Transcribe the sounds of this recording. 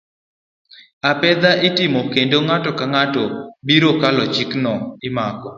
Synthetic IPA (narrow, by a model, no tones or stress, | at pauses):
apɛd̪aʔitimokendoŋatɔkaŋatɔbiɾokalɔt͡ʃɪknɔɪmakɔ